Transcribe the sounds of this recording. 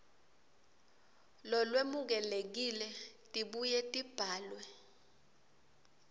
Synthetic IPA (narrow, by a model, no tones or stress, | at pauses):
lɔlwemuk̬ɛlek̬ilɛtʼiɓujɛtʼib̥ʱaːlwɛ